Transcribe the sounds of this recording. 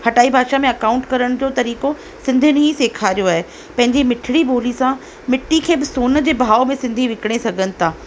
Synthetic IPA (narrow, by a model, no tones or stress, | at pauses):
hɐʈaːibʱaːʃamẽɐkaːʊ̃ɳʈkɐɾəɽ̃d͡ʑoːt̪ɐɾiːko | sɪ̃nd̪ʱənɦiseːkʰaːɾijoaːɦe | pɐ̃ɦɪɲd͡ʑimɪʈʰɪɽibʱoːlisã | mɪʈːikʰeːbɪsoːnd͡ʑeːbʱaːomẽsɪ̃nd̪ʱiʋɪkɪɽ̃esɐɡʱənɪ̆t̪ʰaː